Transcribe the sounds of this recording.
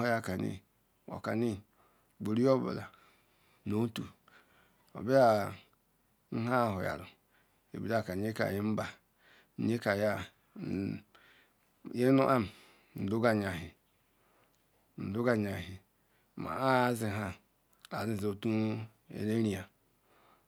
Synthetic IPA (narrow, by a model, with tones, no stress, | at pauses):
o˨˦ja˦˨ka˨nḭ˦ | o̰˨ka˨ni˦ | ɡ͡bo˨ɾi˦o˦ba̰˨la˨ | no˦tu˨ | o̰˨bi˦a˦˨ | n̩˦ɦa˦˨ɦo˨ja̰˨ɾṵ˨ | ḛ˨bi˨˦da˦˨ka˨ɲe˦ka̰˨ji˦m̩˦ba˨˦ | ɲe˦ka˨ja˦˨ | je˦nu˦ʔa˦m˨ | n̩˨du˦ɡa˨ɲ˨a˨ɦi˨ | n̩˨du˦ɡa˨ɲa˨ɦi˨ | ma̰˨a˦zi˨ɦa˦ | a˨zi˦˨zo˨tu˦ | ḛ˨ne˦ɾi˨a˨